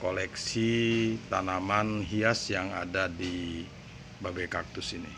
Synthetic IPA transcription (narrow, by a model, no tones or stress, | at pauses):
kolɛksit̪anamanɦiasjaŋa̰dadi | babekak̚t̪ʊsinḭ